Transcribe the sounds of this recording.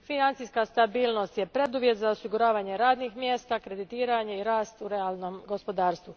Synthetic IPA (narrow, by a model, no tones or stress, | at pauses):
finant̪sijskast̪abiːlˠno̞st̪jepɾe̞d̪uʋje̞t̪zaosiɡuɾaːʋaːɲe̞ɾaːd̪nixmje̞ːst̪akɾe̞d̪it̪iːɾaɲe̞iɾaːst̪uɾealˠno̞mɡo̞spo̞d̪aːɾst̪ʋu